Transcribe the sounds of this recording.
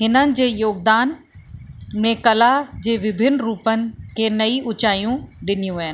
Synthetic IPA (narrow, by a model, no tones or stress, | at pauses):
ɦɪnənɪ̆d͡ʑeːjoːɡ̚d̪aːn | mẽkɐlad͡ʑeːʋɪbʱɪnɾuːpənɪ̆kʰeːnɐiʊt͡ɕaːijũɗɪnijũɦɐɦɪn